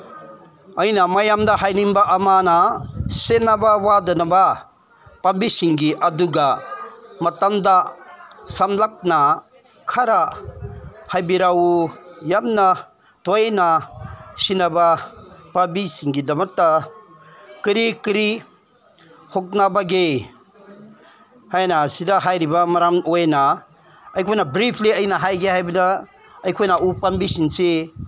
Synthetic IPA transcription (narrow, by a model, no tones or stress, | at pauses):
ajnamajamd̪aɦajniŋbaʔamanasenabawadɐnaba | pabisiŋɡiʔaduɡa | mɐtamd̪a | samlap̚na | kʰaɾa | hajbiɾawujamna | tɔjnasinabapabisiŋɡidɐmatːa | kiɾikiɾi | hok̚nabaɡe | hajnasidaɦajɾibamaɾamojna | ɐjkʰojnabɾipʰliɐjnaɦajɡeɦajbida | ɐjkʰojnaʔupambisinse